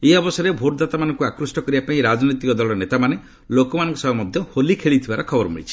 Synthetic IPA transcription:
ejɔbɔsɔɾebʱoʈd̪at̪amanɔŋkuakɾusʈɔkɔɾibapaĩɾad͡ʒnɔjt̪ikɔd̪ɔlɔnet̪amane | lokɔmanɔ̃ŋkusɔbamɔd̪ʱjɔholikʰeɭit̪ʰibaɾɔkʰɔbɔɾɔmḛɭit͡ʃʰi̥

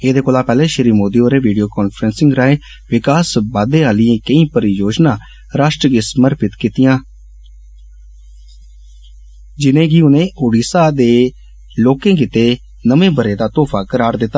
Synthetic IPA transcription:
eːd̪eːkoːlaːpɛːleːʃɪɾiːmoːd̪iːoːɾeːʋiːɖijoːkɔːnpʰɾənsɪ̃ŋɡɾaːeː | ʋɪkaːsbaːd̪ẽːaːlɪẽːkəĩːpəɾijoːd͡ʒnãː | ɾaːʃʈɾəɡɪsməɾpɪt̪kiːt̪ɪjãː | d͡ʒɪnẽːɡiːʊnẽːʔoːɖiːsaːd̪eː | loːkẽːk̬ɪt̪eː | nəmẽːbəɾeːd̪aːt̪oːpʰaːkəɾaːɾd̪ɪt̪ːaː

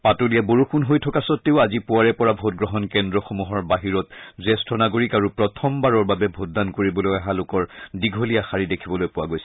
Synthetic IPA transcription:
patolijaboɹuxunɦojtʰɔkasɔtːeʊazipʊwaɹɛpɔɹabʱot̚ɡɹɔɦɔnkɛndɹɔxomuɦɔɹbaɦiɹɔtzɛstʰɔnaɡoɹikaɹupɹɔtʰɔmbaɹɔɹbabɛbʱot̚dankoɹibɔlojaɦalʊkɔɹdiɡʱolijaxaɹidekʰibɔlojpʊwaɡojsɛ

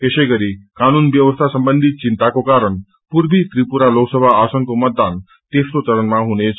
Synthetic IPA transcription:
keɕeɡəɾikañuːnʋjəʋəst̪ʰasəmbənd̪ʱit̪̚t͡ɕint̪akokaɾəɳ | puɾbʱit̪ɾipuɾaloksəbʱaːsəŋkomət̪̚d̪an | t̪est̪ot͡səɾənmaɦunet͡s

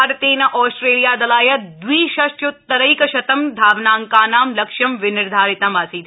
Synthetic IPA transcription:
ɾt̪eːnɐʔɔːsʈɾeːlijaːd̪ɐlaːjɐd̪ʋiːʃɐʃjot̪ːɐɾɐjkɐʃɐt̪ɐmd̪ʱaːʋnaːŋkaːnaːmlɐkʃɐmʋɪnɪɾd̪ʱaːɾɪt̪ɐmaːsiːt̪ʰ

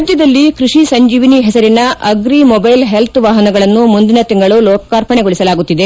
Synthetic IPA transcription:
d̪jɐd̪ɐlːikɾuʂisɐɲd͡ʒiːʋiniɦɛsɐɾinɐʔɐɡɾimɔbɐjlɦelt̪ʋaːɦɐnɐɡɐɭɐnːumund̪inɐt̪iŋɡɐɭulɔːkɐkaːɾpɐɳeɡoɭisɐlaːɡut̪ːid̪e

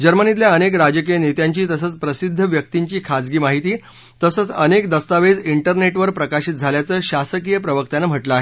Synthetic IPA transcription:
d͡ʑəɾmənit̪̬ljaənek̬ɾad͡ʑək̬ijənet̪jaɲt͡ɕiːt̪əsəːt͡spɾəsid̪ʱːəʋjək̚t̪iɲt͡ɕiːkʰad͡zɡiːmaɦit̪iː | t̪əsət͡sənekd̪əst̪aʋed͡ziɳʈəɾneʈʋəɾpɾəkaɕiːt̪̚d͡zʱaljat͡səːɕasəkijəpɾəʋəkt̪anːam̤əʈləaːɦe

